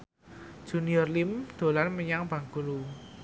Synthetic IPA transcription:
ʒ̥ṳniɔrlimd̪̥o̤lanməɲaŋb̥a̤ŋɡulu

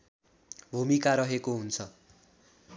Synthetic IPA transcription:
bʱumikaɾʌɦekoɦunt͡sʰʌ

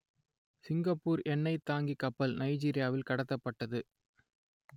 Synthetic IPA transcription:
sɪŋɡɐpːuːɾɛnːɐɪt̪ːaːŋɡikːɐpːɐlnɐɪd͡ʒiːɾɪjaːʋɪlkɐɽɐt̪ːɐpːɐʈːɐðɯ

